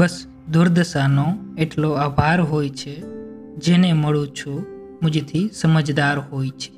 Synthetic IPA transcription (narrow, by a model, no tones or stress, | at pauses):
bəs | d̪ʊɾd̪əsanoeʈloabʱaɾɦojt͡ʃʰe | d͡ʒeneməɭũt͡ʃʰu | mʊ̃d͡ʒet̪ʰisəməd͡ʒd̪aɾɦoːjt͡ʃʰe̥